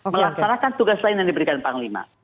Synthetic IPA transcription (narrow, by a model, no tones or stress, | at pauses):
məlaksanakant̪uɡaslaɪnjaŋdibəɾikanpaŋlima̰